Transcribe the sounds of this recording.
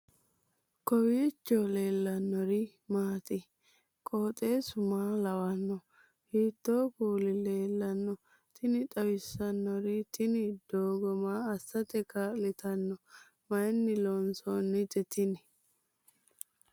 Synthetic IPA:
kɔwiːt͡ʃːɔle̞ːlːɐnːɔɾɪ | maːt̪ʼɪ | kʼoːt̪ʼe̞ːsʊmaːlɐwɐnːɔ | hiːt̪ːoːkuːlɪle̞ːlːɐnːɔ | t̪ʰɪnɪt̪ʼɐwɪsːɐnːɔɾɪt̪ɪnɪd̪̥oːɡɔmaːɐsːɐt̪ɛkaːlɪt̪ɐnːɔ | mɐjnːɪlɔnsoːnːɪd͡ʒɛt̪ɪnɪ

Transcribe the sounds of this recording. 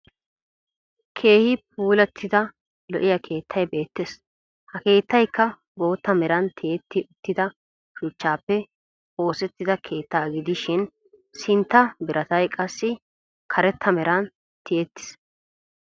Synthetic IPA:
kʰe̞ːhɪp̚uːlɛt̪ʰːɪd̪ɐ | lɔ̰ʔɪjɐkʰe̞ːt̪ʰːɐjbe̞ːt̪ːes | hɐke̞ːt̪ːɐjkːɐ | bo̞ːt̪ːɐmɛɾɐnt̪ʰɪɛt̪ːɪʔʊt̪ːɪd̪ɐ | ʃʊt͡ʃːaːpːɛ | o̞ːsɛt̪ːɪd̪ɐkʰe̞ːt̪ːaːɡɪd̪ɪʃɪn | sɪnt̪ːɐbɪɾʔɐt̪ɐjkʼɐsːɪ | kʰɐɾɛt̪ːɐmɛɾɐn | t̪ɪet̪ːɪ̥s

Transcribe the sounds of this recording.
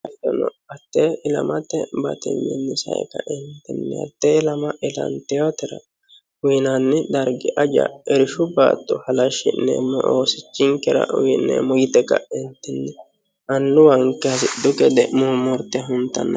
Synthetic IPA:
ɐt̪ɔnɔɐt̪ːeɪlɐ̰mɐt̪ːɛbɐ̰t̪ɪ̰nːɪnːɛsɐ̰ʔɛ̰kɐʔɪnt̪ːɛnːɛ̰ɐ̰t̪ːɛɪlɐmɐʔɪlɐ̰nt̪ɛjot̪ɛɾɐ̰ | ʊjnanːɛd̪ɐɾɡɪʔɐd͡ʒɐ̰ɛɾɪʃʊba̰ːt̪ːɔhɐlɐʃɪnːɛ̰mɔʔoːsɪt͡ʃːɪŋkɛɾɐ̰ʔʊjɪnːɛ̰mɔɡɪt̪ɛkːɐ̰ɪnt̪ːɛnːɛ | ʔɐnːʊwɐŋkːɛsɪd̪ʊkɛd̪ɛmumɔɾt̪ːɛɦʊnt̪ːɐnːɐ

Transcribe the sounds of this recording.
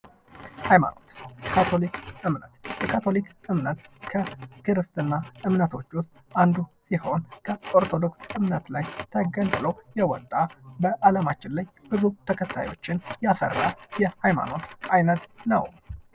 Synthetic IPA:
hajma̰no̞t̪kʰat̪ʰo̞likʔɨmnət̪jɛkʰat̪ʰo̞likɨmnət̪kʰəkʰɨɾɨst̪ʼɨnːaʔɨmnət̪ʰo̞t͡ʃːwʊst̪ʼand̪usiho̞nkʰəʔoɾt̪ʰo̞d̪o̞ksɨmnət̪lajt̪ʰəɡənt̪ɨləwjɛwɔt̪ʼːabəʔaləmat͡ʃːɪnlajbɨzut̪ʰəkʰət̪ʰːa̰jo̞̰t͡ʃːɪnjɛafə̰rːajɛhajma̰no̞t̪ajnət̪nə̰w

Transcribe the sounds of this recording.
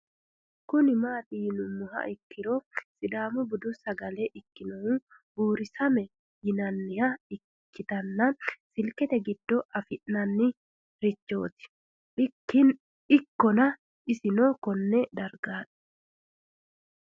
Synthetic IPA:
kʊnɪmaːt̪ʼiːnʊmːʊhɐ̰ʔɪkːɪɾosʼɪd̪aːmʊbʊd̪ʊsɐɡɐleʔɪkːɪnɔhu | buːɾɪsɐmɛ | jɪnɐnːɪhɐɪ | kːɪt̪ɐnːɐsɪlkɛt̪ɛɡɪd̪̥ːɔʔɐfɪʔnɐnːɪ | ɾɪt͡ʃːo̞ːt̪ɪ̥ | ɪn | ɪkːɔnɐ | ɪsɪnoːkɔnːɛd̪ɐɾɡaːᶑʊ̥

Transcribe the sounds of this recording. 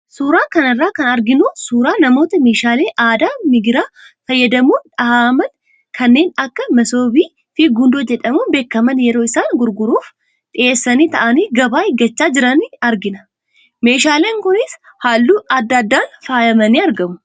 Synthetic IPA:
suːɾaːkɐnɐrːaːkɐnɐɾɡɪnusuːɾaːnɐmo̞ːt̪ɐme̞ːʃaːleːʔaːd̪aːmɪɡɪɾaː | fɐjːɐd̪ɐmuːnᶑɐhaːmɐn | kʰɐnːe̞ːnɐkːɐmɐso̞ːbiː | fiːɡʊnd̪oːd͡ʒɛᶑɐmuːbe̞ːkːɐmɐnjɛɾo̞ːɪsaːnɡʊɾɡʊɾuːf | ᶑ̪ʼɪʔeːsːɐniːt̪ɐʔɐniːɡɐbaːɪɡɐt͡ʃːaːd͡ʒɪɾɐniɐɾɡɪnɐ̥ | me̞ːʃaːleːŋkʊnɪs | haːlːuːɐd̪ːɐd̪ːaːnfaːjɐmɐniːɐɾɡɐmʊ̥

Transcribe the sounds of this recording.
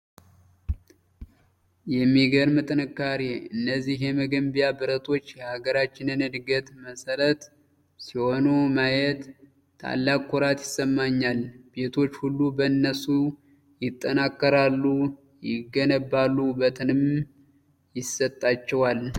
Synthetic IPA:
jɛmːiɡəɾmɨt̪ʼɨnɨkːaɾiɨnːəzːihjɛməɡəmbijabɨɾət̪ʰo̞t͡ʃːjɛhaɡəɾat͡ʃːɪnɨnɨd̪ɡət̪məsəɾət̪ | siho̞numajɛt̪ːʰ | a̰lːakʼːoɾat̪jɪsːəmːaɲːalbe̞t̪ʰo̞t͡ʃːhulːubəɨnːəsu | jɪt̪ʼːənakːəɾalːu | jɪɡːənəbːalːubət̪ʰɨnɨm | jɪsət̪ʼːat͡ʃːɛwal

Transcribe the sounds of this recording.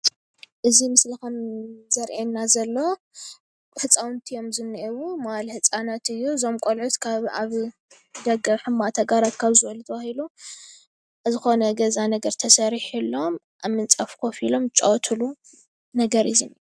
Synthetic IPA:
ʔɨzimɨslɨxɐmzɐɾʔenːazɐlːo | ħɨt͡sʼawnt̪ʰijo̞mzɨnːʔewumalħɨt͡sʼanat̪ɨjːuzo̞mkʼolʕut̪kʰaβaβ | d̪ɐɡɐħɨmːat̪ʰɐɡaɾat̪kʰaβzɨwɐlut̪ʰɐβahilu | zɨxo̞nɐɡɐzanɐɡɐɾt̪ʰɐsɐɾħilːo̞m | ʔamːɨnt͡sʼɐfkʰofilo̞mt͡ʃʼowt̪ʰulu | nɐɡɐɾɨzinij

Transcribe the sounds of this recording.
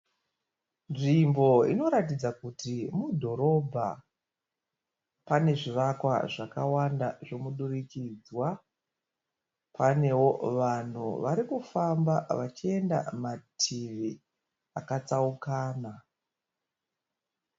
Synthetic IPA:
nʐimbo̞ḭno̞ɾatid͡zakutimudʱo̞ɾo̞bʱa̰ | pane̞ʐiʋakwa̰ʐakawanda̰ʐo̞muɗurikid͡zwa | pane̞wo̞ʋan̤ṵʋaɾikufambaʋat͡ʃie̞nda̰matʰiʋi | akat͡saukaːna

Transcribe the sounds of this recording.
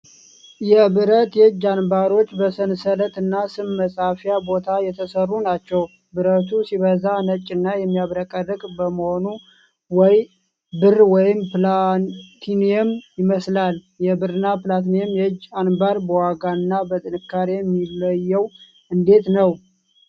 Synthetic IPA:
jɛbɨɾət̪jɛhɨd͡ʒːanbaɾo̞t͡ʃːbəsənsələt̪ɨnːasɨmməsʼafjabo̞t̪ʰajɛt̪ʰəsərːunat͡ʃːɛw | bɨɾət̪ʰusiβəzanət͡ʃʼːɪnːajɛmːijaβɾəkʼədɨkʼbəməho̞nu | wɔj | bɨrwɔjɪmplt̪ʰineɛmjɪməslal | jɛbɨɾɨnaplat̪neɛmjɛhɨd͡ʒːanbaɾbəwaɡaɨnːabət̪ʼɨnɨkːaɾejɛmːilːəjːɛw | ʔɨnd̪e̞t̪nəw

